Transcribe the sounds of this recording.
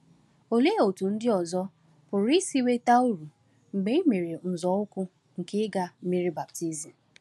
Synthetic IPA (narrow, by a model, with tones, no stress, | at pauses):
o˨le˦˨o˨tu˨n̩˦dɪ˦ɔ˨zɔ˦ | bʊ˨ɾi˦si˦we˦ta˦u˦ɾu˨ | ŋ͡m̩˨ɡ͡be˦i˦me˨ɾe˨n̩˨zɔ˨˦ʊ˦kʊ˦ | ŋ̩˨kɪ˦ɡa˦m̩˦mi˦ɾi˦ba˨pti˦zi˨